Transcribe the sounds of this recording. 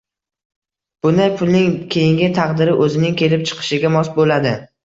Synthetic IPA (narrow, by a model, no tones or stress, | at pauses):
b̥ʊnd̪ajpʰʊlnɪŋkʲʰe̞jɪŋɡʲɪt̪ʰɑqd̪ɪɾɪʔɵzɪnɪŋkʲʰe̞lɪp̚t͡ʃʰɨ̥qʰɨ̥ʃɪɡʲamɒsbolad̪ɪ